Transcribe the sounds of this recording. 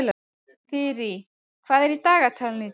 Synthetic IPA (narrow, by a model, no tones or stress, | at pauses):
la | fɪɾɪ | kʰv̥aːðɛɾit̪aːɣat̪ʰalnɪ